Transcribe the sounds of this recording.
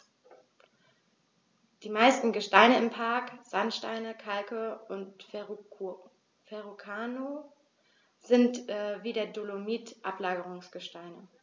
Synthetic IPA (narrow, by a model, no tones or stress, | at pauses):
d̥iːmaɪstn̩ɡəʃtaɪnəɪmpʰaɐkz̥antʃta̰ɪnəkʰalkəʊnt | fɛʁokʰaːno | z̥ɪntːviːdeːɐdolomiːtʔa̰plaːɡəʁʊŋsɡ̥əʃtaɪnə